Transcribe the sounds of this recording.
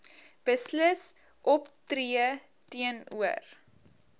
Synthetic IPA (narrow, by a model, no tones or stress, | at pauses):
b̥əsləs | ʔɔptriə | tiənuə̰r